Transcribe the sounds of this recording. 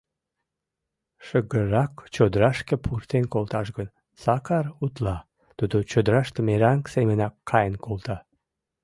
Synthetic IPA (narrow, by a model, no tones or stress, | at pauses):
ʃəɣəɾɑkt͡ɕod̪ɾɑʃkepʰurt̪enkolt̪ɑʃɡən | sɑkɑrut̪lɑ | t̪ud̪ot͡ɕod̪əɾɑʃt̪əmeɾɑŋksemənɑkːɑjənkolt̪ɑ